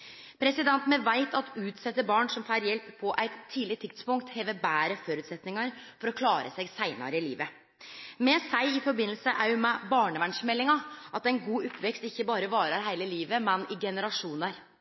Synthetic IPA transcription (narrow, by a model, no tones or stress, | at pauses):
pʰɾɛsɪd̪ɛnt̪nəʋæɪt̪ɑt̪ʉːt̪sɛt̪ːəbɑːɳsɔmfæːɾjɛlppʰːɔʔæɪt̪ʰːiːlɪt̪ʰɪkt̪spʊŋkt̪heːʋəbæːɾəfɔɾʉt̪sɛt̪nɪŋɑɾfɔɾɔkʰlɑːɾə̰sɛɡsæɪnɑ̰ɾəɪlḭːʋə | mɛsæɪɪfɔɾbɪnːlsəʔæɾjʊmɛbɑːɳəʋænʂmɛlːɪŋɑʔɑt̪æɪnɡuːʊpʰːʋɛkst̪ɪçːəbɑːɾəʋɑːɾɑɾɦæɪləliːʋəmɛnɪɡɛnəɾɑʂuːnəɾ